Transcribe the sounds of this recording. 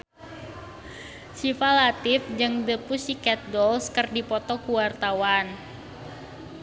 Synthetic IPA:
sifalat̪ɪfd͡ʒɨŋdəpusikɛt̪̚ɡɔlskərdipɔt̪ɔkuwart̪awan

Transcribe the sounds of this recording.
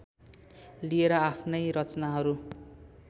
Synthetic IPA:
lieɾʌapʰnʌjɾʌt͡snaɦʌɾu

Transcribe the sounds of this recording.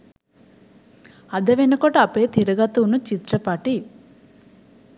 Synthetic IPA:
ɐd̪ɐʋenɐkoʈɐpeːt̪ʰiɾɐɡɐt̪unut͡ʃit̪ɾɐpaːʈi

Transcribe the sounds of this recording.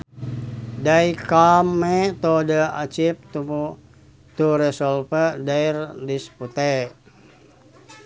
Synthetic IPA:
daikamet̪odəat͡ʃip̚t̪uu | t̪uɾɛsɔlfədairdisput̪e

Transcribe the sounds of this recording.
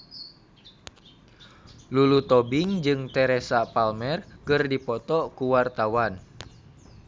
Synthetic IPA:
lulut̪ɔbiŋd͡ʒɨŋt̪ɛɾɛsapalmɛrkərdipɔt̪ɔkuwart̪awan

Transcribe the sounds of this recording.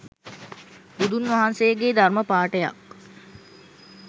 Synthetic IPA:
bud̪unʋaɦansejəɡed̪arməpaːʈəja̰k̚

